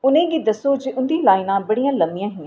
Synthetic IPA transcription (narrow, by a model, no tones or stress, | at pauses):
ʊnẽd͡ʑid̪ɐsod͡ʑeːʔʊ̃nd̪ʱilaːɪnãbɐɽiə̃lɐmijə̃ɦɪ̃